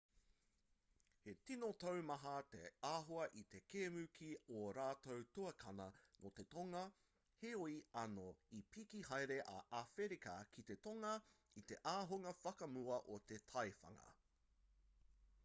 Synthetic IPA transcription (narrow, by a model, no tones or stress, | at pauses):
he̞tinot̪owmɐɦɐt̪ḛaːɦoɐʔit̪ekeːmʉkʰioɾaːt̪owt̪uɐkʰɐnɐnʔot̪e̞t̪oŋɐ | heoiɐnoipʰikiɦɐjɾeʔɐ̰ʔafeɾikɐkʰit̪e̞toŋɐ | it̪e̞ʔaːɦoŋɐfɐkɐmuɐʔot̪et̪ʰɐjfɐ̰ŋɐ̰